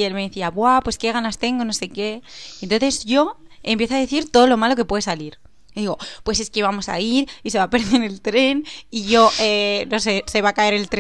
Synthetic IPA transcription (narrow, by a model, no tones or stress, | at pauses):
e̞lme̞ðeθiaβwapwe̞ske̞ɣ̞anast̪e̞ŋɡo̞no̞se̞ke̞ent̪onθe̞zʝo̞ | e̞mpje̞θoaðeθiɾt̪o̞ðolo̞malo̞ke̞pwe̞ðe̞saliɾ | ðiɣo̞pwe̞se̞skeβamo̞sa̰iɾise̞βape̞ɾðeɾelt̪ɾe̞niʝo̞ʔeno̞se̞se̞β̞akae̞ɾe̞lt̪ɾ